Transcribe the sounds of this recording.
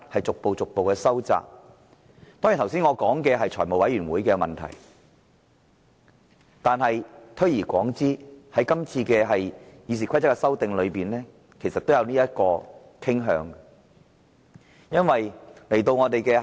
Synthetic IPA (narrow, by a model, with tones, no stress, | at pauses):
hɐ˨jt͡sʊ˨k̚po˨wt͡sʊ˨k̚po˨wkɛː˧sɐ˥wt͡sa̰ː˨k̚ | t̪ɔ˥ŋiː˨˩t̪ʰwsiː˥ŋɔː˨˧kɔː˨˥ŋkɛː˧ɦɐ˨jt͡ʃʰɔː˨˩jmo˨wɐ˨˥jɥyː˨˩nwuː˨˥jkɛː˧mɐ̰˨nt̪ʰɐ̰˨˩j | t̪aː˨nɦɐ˨jt̪ʰɵ˥ɥjiː˨˩kʷɔ̰ː˨˥ŋt͡siː˥hɐ˨˥jkɐ˥mt͡sʰiː˧kɛː˧ɦɐ˨jjiː˨˧s̬iː˨˩kʰʷɐ˥jt͡sɐ˥kːɛ˧sɐ˥wt̪ɪ˨˧ŋlɵ˨˧ɥpiː˨˩nlɛː˥ | kʰe˨˩jsɐ˨t̪o˥wjɐ˨˧wniː˥jɐ˥t̚kɔː˧ | kʰɪ˥ŋɦœ̰ː˨˥ŋ | jɐ˥nwɐ˨jle˨˩jt̪o˧wŋɔː˨˧t̪e˨jkɛː˧